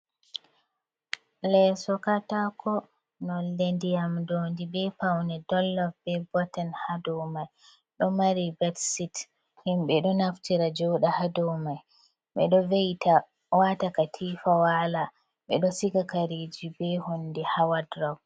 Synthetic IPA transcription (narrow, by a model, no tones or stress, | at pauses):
lɛsɔkatakʰɔ | nɔlːendijamdondibɛpawnɛdɔlːafbɛbɔtanhadɔmaj | ɗɔmaɾibɛtsit | himɓɛɗɔnaftiɾad͡ʒɔɗahadɔwmaj | ɓɛ̰ɗɔvejtʰa | watakatʰifawala | ɓɛɗɔsiɡakaɾid͡ʒibɛhondihawadɾaw